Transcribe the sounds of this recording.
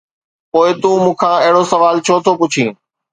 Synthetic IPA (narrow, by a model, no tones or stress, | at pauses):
poːɪt̪ũmũːkʰãːɐɦɪɽosɐʋaːlt͡ʃʰoːt̪ʰopʊt͡ɕʰĩː